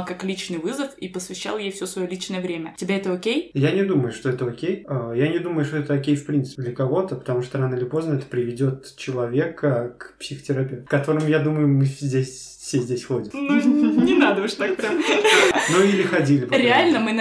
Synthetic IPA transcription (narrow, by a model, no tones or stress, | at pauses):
kaklʲit͡ɕnɨjvɨzəfipəsvʲɪɕːa̰lˠjejfsʲosvɐjolʲit͡ɕnəjəvɾʲemʲətʲɪbʲeɛt̪əokʲejjanʲɪd̪uməjʊʂt̪o̞ɛt̪əokʲejəjanʲɪd̪uməjʊʂt̪oɛt̪əokʲejfpɾʲint̪sɨ̥pɪd̪lʲəkɐvo̞t̪əpə̥t̪ɐmuʂt̪oɾanəɨɪlʲɪpo̞znəɛt̪ə̥pɾʲɪvʲɪdʲo̞t̪ | t͡ɕɪlˠɐvʲe̞kəkpsʲɪxə̥tʲɪɾɐpʲeft̪ːkːɐt̪o̞ɾɨmjad̪uməjʊmɨzʲdʲesʲ | fsʲezʲdʲesʲxodʲɪmnunʲɪnad̪əʊʂt̪ak̚pɾʲamnuilʲɪxɐdʲilʲɪbɾʲɪalʲnəmɨn